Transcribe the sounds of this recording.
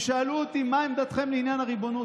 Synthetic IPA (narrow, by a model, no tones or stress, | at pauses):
ʃaaluot̪imaimd̪at̪χe̞mleinjanaʁibo̞nu